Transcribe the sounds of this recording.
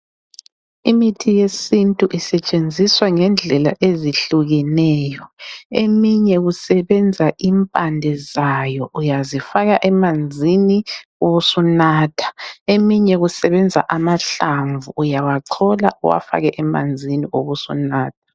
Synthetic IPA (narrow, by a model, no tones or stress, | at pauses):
imitʰijesintʼuʔisɛt͡ʃʼend͡zʱiswaŋɛnd͡ɮʱɛla̰ʔeziɬuɣɛnɛːjɔemiɲɛɣusɛβɛnd͡zʱaʔimpʼandʱɛzajɔʔujazifaɣaʔɛmand͡zʱinioβusunaːtʰḁemiɲɛɣusɛβɛnd͡zʱa̰ʔamaɬaɱvʱuːjawaǀʰɔla̰ʔuwa̰fa̰ɣɛʔɛma̰nd͡zʱiniʔoβusṵnaːtʰḁ